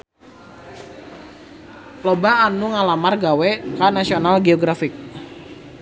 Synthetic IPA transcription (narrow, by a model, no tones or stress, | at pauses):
plɔbaːnuŋalamarɡawɛkanasionalɡeɔɡɾafik̚